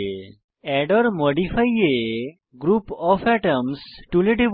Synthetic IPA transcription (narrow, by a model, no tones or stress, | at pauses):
ɛɖəɾmɔɖifʰaje | ɡɾupɔfɛʈəmsʈuleʈib